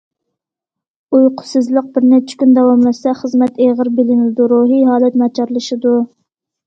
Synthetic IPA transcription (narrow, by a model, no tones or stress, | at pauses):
ujqʰʊ̥sɨzlˠəq̚bɪɾnɛt͡ʃʰɪ̥kʲynd̪ɛwɑmlɛsɛχəzmɛt̪eʁəɾbɪlɪnɪlɪd̪uɾuɦiɦɑːlˠɛt̪mɑt͡ʃʰɑɾlˠɨʃɨd̪u